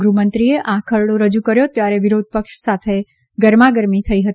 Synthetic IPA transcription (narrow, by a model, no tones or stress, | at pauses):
ɡɾumənt̪ɾieʔakʰəɭɽoɾəd͡ʒukəɾjot̪jaɾeʋɪɾod̪̚pəkʃsat̪ʰe | ɡəɾmaɡəɾmit̪ʰəiɦət̪i